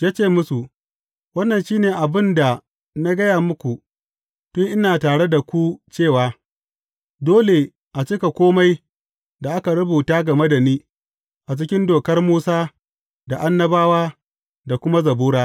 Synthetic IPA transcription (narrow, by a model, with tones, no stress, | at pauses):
jaː˦t͡ʃeː˦˨mʊ˦su˨ | wɐ˦nːɐ˨nʃiː˦neː˨ʔa˨bɪ˦nda˨ | na˦ɡɐ˦jaː˨mʊ˦kʷu˨ | tʊ˦ŋʔɪ˦naː˨taː˨ɽe˦da˨kʷu˦t͡ʃeː˦˨waː˦ | doː˦le˨ | ʔa˨t͡ʃɪ˦ka˨kʷoː˦ma˦j | da˨ʔa˦ka˨ɽɐ˦buː˨taː˦ɡɐ˨me˦da˨niː˦ | ʔa˨t͡ʃ̬ɪ˦kʲɪ˦ndoː˨kɐ˦rmuː˦saː˦ | da˨ʔa˦nːɐ˦baː˦waː˦ | da˨kʷʊ˦ma˦zɐ˨buː˦ɽaː˦